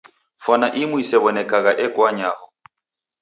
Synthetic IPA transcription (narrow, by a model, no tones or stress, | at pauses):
fɔnaʔɪmʊisɛβɔnɛkʼaɣaʔɛkʼwaɲaːhɔ